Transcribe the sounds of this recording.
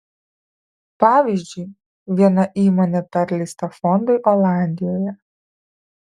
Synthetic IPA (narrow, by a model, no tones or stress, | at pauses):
pɑːʋʲiːˑzʲd͡ʒʲʊɪ | ʋʲiɛnɐʔiːmoːnʲɛpʲɛɾʲlʲɛɪst̪ɐfɔnd̪ʊɪʔɔlˠɑˑnʲd̪ʲɪjoːjɛ